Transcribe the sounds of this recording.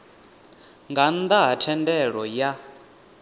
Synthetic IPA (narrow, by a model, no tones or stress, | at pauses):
ŋɡand̪aɦatʰɛndɛɺɔja